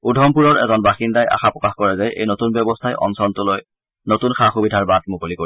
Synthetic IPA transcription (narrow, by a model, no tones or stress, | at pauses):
udʱɔmpuɹɔɹɛ̰zɔnbaxindajʔa̰xapɹɔkaxkɔɹɛzajḛjnotunbjɔbɔstʰajʔɔ̰nsɔntʊloj | notunxaxubidʱaɹbad̚mukolikoi